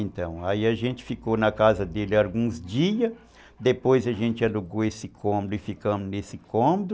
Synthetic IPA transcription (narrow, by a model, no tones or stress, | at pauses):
ẽnt̪ɐ̃w̃aiɐʒẽnt͡ʃɪ̥fikonɐkazɐd̪elɪawɡũzd͡ʒiɐ | d̪epojzɐʒẽnt͡ʃɪaluɡoesɪkʰõmod̪ʊɪfikɐ̃mʊnesɪkõmod̪ʊ